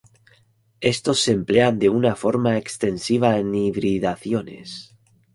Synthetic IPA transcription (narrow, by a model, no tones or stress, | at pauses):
e̞st̪o̞sːemple̞and̪e̞unafo̞ɾmaekst̪e̞nsiβ̞aeniβɾiðaθjo̞ne̞̰s